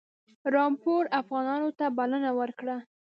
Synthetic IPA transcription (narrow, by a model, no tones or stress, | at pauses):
ɾɑmpoɾafɣɑnɑnot̪abalənawəɾkɽa